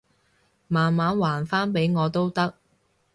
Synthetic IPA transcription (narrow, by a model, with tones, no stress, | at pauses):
maː˨nmaː˨˥nwaː˨˩nfaː˥npe˨˥jŋɔː˨˧t̪o˥wt̪ɐ˥k̚